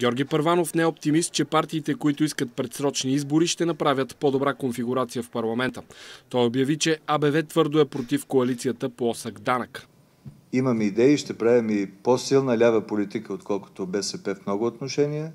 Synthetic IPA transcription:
ɡʲɔɾɡʲipɐɾvanofnɛɛop̚t̪imist̪̚t͡ʃɛpaɾt̪iːt̪ɛkoit̪oiskət̪̚pɾɛt̪sɾɔt͡ʃniizboɾiʃt̪ɛnɐpɾavʲjət̪pod̪obɾakonfiɡʊɾat̪sijəfpɐɾlˠɐmɛnt̪ət̪ɔjobjɐvit͡ʃɛabɛvɛt̪vɤɾd̪oɛpɾot̪ifkoɐlit̪sijət̪əpoɔsəɡd̪anək | iməmid̪ɛiʃt̪ɛpɾavɛmiposilˠnəlʲavəpolit̪ikəot̪kɔlˠko̥t̪obɛsɛpɛfmnɔɡʊot̪noʃɛniɛ

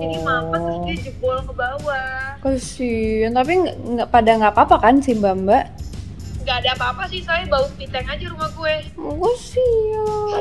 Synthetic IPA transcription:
inimamasad͡ʒubolkəbawakəsit̪ap̬iŋaŋapadaŋɡapapakansimbambaʔ | ŋɡaːdaːpaːpasisajabawupit̪ɛŋad͡ʒaɾumahɡuɛkəsia

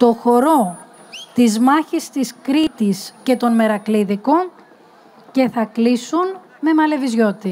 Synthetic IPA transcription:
t̪o̞xo̞ɾo̞ | t̪izmɐçist̪iskɾit̪isce̞t̪o̞nme̞ɾɐkliðiko | ce̞θɐklisun | me̞mɐle̞vizʝo̞t̪i

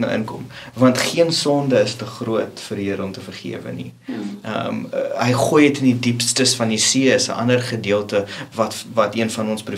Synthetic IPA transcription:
nə̰ʔə̰nkɔ̰mvɐntχiənsɔndəəstəχruətfəɾiəɾəɔmtəfərχḭəvə̰nḭə̰mɦəjχuəjətəndidipstəsfɐnisiəəsə̰ʔɐ̰ndərχədiəlˠtəvɐtvɐtiənfɐnɔnspru

